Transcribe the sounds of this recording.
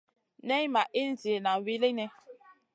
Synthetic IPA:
nɛ˦jma˨ʔi˦n̩˦zi˨e˨na˨wi˦le˦nɛ˦

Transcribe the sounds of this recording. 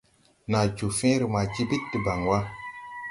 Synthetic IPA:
na˨d͡ʒu˨fẽ˦ɾə˨ma˨t͡ʃi˦bi˦tːi˨ba˨ŋwa˦

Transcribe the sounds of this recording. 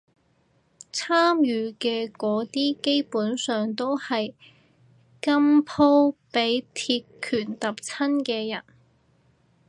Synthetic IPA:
t͡sʰaː˥mjyː˨˧˥kɛː˧kɔː˨˥t̪iː˥ke˥jpuː˨˥nsœː˨ŋt̪o˥whɐ˨j | kɐ˥mpʰo˥wpe˨˥jt̪ʰiː˧tkʰːyː˨˩nt̪ɐ˨p̚t͡sʰɐ˥nkɛː˧jɐ̰˨˩n

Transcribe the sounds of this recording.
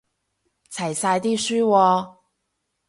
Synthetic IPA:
t͡sʰɐ˨˩jsaː˧jt̪iː˥syː˥wɔː˧

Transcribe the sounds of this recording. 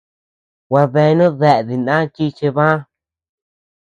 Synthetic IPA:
wa˧ðe˧nũ˦ðe˧ʔði˨ndã˦t͡ʃi˦t͡ʃe˧βã˦

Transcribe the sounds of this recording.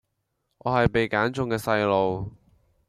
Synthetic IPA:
ŋɔː˨˧hɐ˨jpe˨jkaː˨˥nt͡sʊ˧ŋkɛː˧sɐ˧jlo˨w

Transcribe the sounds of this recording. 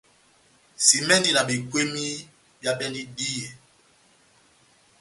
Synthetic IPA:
si˨mɛ˦ndi˦na˨bi˨kwe˦mi˦ | bja˦pɛ˦ndi˦di˦je˨

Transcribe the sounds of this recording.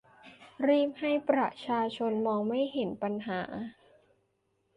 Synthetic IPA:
ɾiː˥˩p̚ha˥˩jpɾa˨˩t͡ɕʰaː˧t͡ɕʰo˧nmɔː˧ŋma˥˩jɦe˩˦npa˧nɦaː˩˦

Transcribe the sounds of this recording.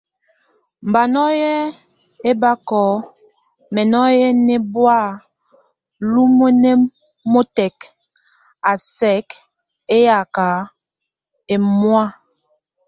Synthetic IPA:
m̩˨ba˨nɔ˦jɛ˦ | e˦ba˦kɔ˨˦ | mɛ˨nɔ˦jɛ˦nɛ˦bwa˦˨ | lu˦mo˦ne˦ | mo˦tɛ˨k | a˨sɛ˨˦k | e˦ja˨ka˨˦ | e˨mwwa˦

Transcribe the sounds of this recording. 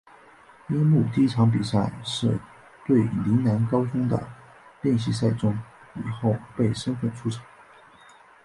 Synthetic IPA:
jɛ˥mu˥˩t̪i˥ʈ͡ʂʰɑ˧˥ŋp̬i˨˩sa˥˧˩ɪʂɻ̩˥˧ | t̪we˥˩ɪli˧˥na˧˥nkɑ˥ʊʈ͡ʂʊ˥ŋd̪ə̰˨˩ | ljɛ˥˧nɕ̬i˥˧s̬a˥˧ɪʈ͡ʂʊ˥ŋ | ḭ˨˩xo˥˩ʊpe˥˩ɪʂə˥nfə˥˩nʈ͡ʂʰu˥ʈ͡ʂʰɑ̥˧˥˦

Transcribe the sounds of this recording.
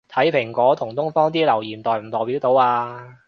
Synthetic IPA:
t̪ʰɐ˨˥jpʰɪ˨˩ŋkʷɔː˨˥t̪ʰʊ˨˩ŋt̪ʊ˥ŋfɔː˥ŋt̪iː˥lɐ˨˩wjiː˨˩nt̪ɔː˨jm̩˨˩t̪ɔː˨˩jpi˨˥wt̪o˨˥waː˧

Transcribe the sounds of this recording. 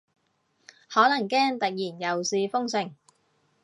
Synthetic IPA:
hɔː˨˥lɐ˨˩ŋkɛː˥ŋt̪ɐ˨k̚jiː˨˩njɐ˨wsiː˧fʊ˥ŋsɪ˨˩ŋ

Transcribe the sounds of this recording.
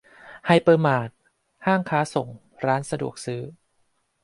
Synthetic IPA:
ha˧jpɤː˧maː˨˩t̪̚ | haː˥˩ŋkʰaː˦˥so˨˩ŋ | ɾaː˦˥nsa˧du˨˩ək̚sɯː˦˥

